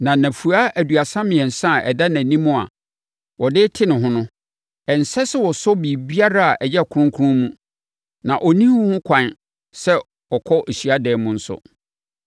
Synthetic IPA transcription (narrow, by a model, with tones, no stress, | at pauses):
nã˨naæ̃˨fu˨a˦ʔæ˨du˨a˨sã˦mɪ̃˨ɛ̃˨n̩˨sã˦˨ɛ̰˨da˦nã˨nĩ˦mũ˦a̰˨ | wɔ˨dɪ˦tʰɪ˦nɪ̃˨ɦʊ̃˦nʊ̃˦ | ɛ˨n̩˨sɛ˦sɛ˦wɔ˨sɔ˦bi˨bi˦a˦ɾa˦a˨ʔɛ˨jɛ˦˨kʰʊ˨˦ʊ̃˦kʰu˦ɾʊ̃˦mũ˦ | nã˨ʔɔ˨nĩ˦hũ˦hʊ̃˦kʷʰã˨n | sɛ˦ | ɔ˨kʰɔ˦ʔe˨ɕi˨a˦dɛː˨˦mũ˦n̩˦sʊ̰˦